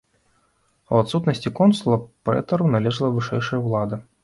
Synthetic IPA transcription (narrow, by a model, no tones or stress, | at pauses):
ɐ̰wat̪sut̪nɐsʲt͡sʲikɔnsulˠɐpɾɛ̰t̪ɐɾunalʲɛʐɨlˠɐvɨʂɛjʂɐjɐwlˠad̪ɨ